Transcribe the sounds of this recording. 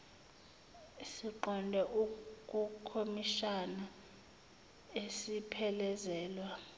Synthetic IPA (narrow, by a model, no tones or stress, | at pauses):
siǃɔndʱɛʔukʼukʰomiʃana | esipʰɛlɛzɛːlwa